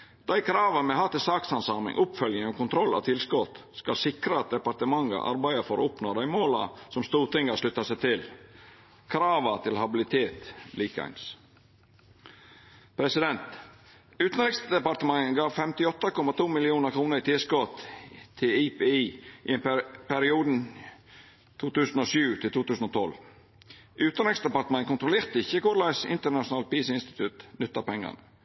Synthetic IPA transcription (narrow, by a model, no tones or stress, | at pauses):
d̪̥æɪkʰɾɑːʋəmɛhɑt̪ɪlsɑːksɑnsɑːmɪ̰ŋʔʊpfœljəŋɔkʊnt̪ʰɾɔlːɑ̰t̪ʰɪlskɔt̪skɑsɪkɾət̪̚d̪ɛpɑɾt̪əmɑŋːə̰ʔɑ̰ɾbæɪəfɔɾ̰ʊpnod̪æɪmoːlɑ̰sɔmst̪uːɾʈ̪ɪŋːəʂlʉt̪ːɑsæɪt̪ʰɪl | kʰɾɑːʋət̪ʰɪlhɑbɪlɪt̪ʰeːt̪liːkæ̰ns | pʰɾɛsɪd̪ɛnt̪ | ʉːt̪n̩ɾɪksd̪ɛpɑɾt̪əmɑŋɡɑːʋfɛmt̪ɪɔt̪ːəkɔmɑt̪ʰuːmɪlɪuːnəɾkʰɾuːnəɾɪt̪ʰɪskɔt̪t̪ʰɪipeːiːʔɪɛnpʰæɾɪuːd̪n̩ | t̪ʰuːt̪ʉːsn̩oːʃʉːt̪ʰɪlt̪uːt̪ʉːsn̩ɔːt̪ʰɔl | ʔʉːt̪nɾɪksd̪əpɑɾt̪əmɛŋkʊnt̪ɾʊleːɾt̪əɪçːəkʊɾlæɪsɪ̰nt̪ənɑʂʊnɑːl̚piːsɪnst̪ɪ̥t̪ʰʉt̪nʏt̪ːɑpɛŋːɑ̰nə̰